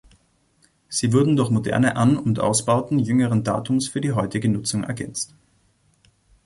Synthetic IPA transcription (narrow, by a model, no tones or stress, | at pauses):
z̥iːvʊɐdn̩dʊɐçmodɛ̰ɐnəʔanʊntʔa̰ʊsb̥aʊtn̩jʏŋəʁənda̰ːtʰʊmsfyːɐdiːɦɔʏtɪɡənʊt͡sʊŋʔɛ̰ɐɡɛnt͡st